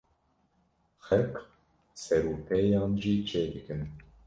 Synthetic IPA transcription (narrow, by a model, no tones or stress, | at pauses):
xɛk | sɛɾuːpʰɛjɑːnʒiːt͡ʃʰeːd̪ɨkʰɨn